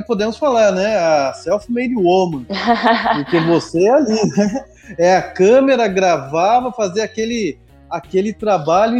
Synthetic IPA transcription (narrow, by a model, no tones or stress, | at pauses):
pod̪ẽmʊsfalaɾnɛɐsɛwfimejd̪iomɐ̃pʊɾkevosealinɛ | ɛɐkɐ̃meɾɐɡɾavavɐfaziɐkelɪ | akelɪt̪ɾabaʎʊ̃